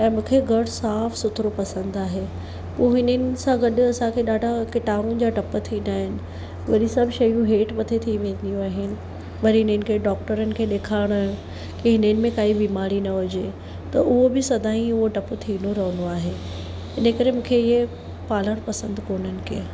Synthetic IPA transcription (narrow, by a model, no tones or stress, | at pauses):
ɛ̃ːmũːkʰeɡɐɽsaːfsʊt̪ʰɾopɐsə̃nd̪aːɦe | poːɦɪnənɪ̆sãɡɐɗʊ̆ɐsãkʰeɗaːɖʱakɪʈaːɾũnd͡ʑaːʈɐpət̪ʰiĩːnd̪aːɦɪnɪ̆ | ʋɐɾisãːbɪʃɐjũɦeːʈmɐt̪ʰet̪ʰiiʋẽːnd̪ijũaːɦɪnɪ̆ | ʋɐɾiɦɪnənɪkʰeɖɔːk̚ʈəɾənɪ̆kʰeːɗeːkʰaːɽ̃ə̃ | kiɦɪnəɪnɪ̆mẽkaːibiːmaːɾinɐʋʊd͡ʑe | t̪ɐʊɦobɪsɐd̪ʱaːĩʊɦoʈɐpt̪ʰiːnoɾɐɦənd̪oaːɦe | ɪnəkɐɾemũːkʰeɪɦe | paːləɽ̃pɐsə̃nd̪koːn̤ənɪ̆kʰeː